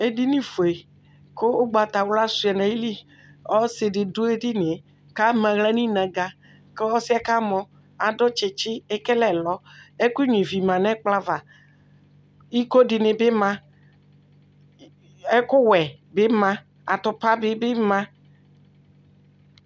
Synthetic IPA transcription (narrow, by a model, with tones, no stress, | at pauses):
e˦di˦nĩ˦fo˨e˨ | ko˦ɡ͡ba˨t̪a˨wla˦su˦ɛ˨nã˨ji˦li˦ | ɔ˦se˨dɪ˨du˦e˦di˦ne˨e˨ | ka˦mɛ̃˨ɣlɛ˦nĩ˦nã˨ɡa˦ | ke˦ɔ˦si˦a˦ka˦mɔ̃˨ | a˨dɔ˦t͡ʃe˨t͡ʃɪ˦e˦ke˦lɛ˨lɔ˦e˦ku˦ɲĩ˨vi˨mã˨nɛ̃˦k͡pla˦va˨ | i˦ko˦dɪ˨ne˨be˦mã˦ | e˦kʊ˦wɛ˨ | be˦mã˦ | a˨t̪ʊ˨pa˦bɪ˦be˦mã˦